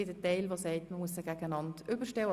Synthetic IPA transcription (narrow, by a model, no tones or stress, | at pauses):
ɪdɛtɛɪlʋosɛɪtməmuəsəɡ̥æɡənɑntʏbəʃtɛwə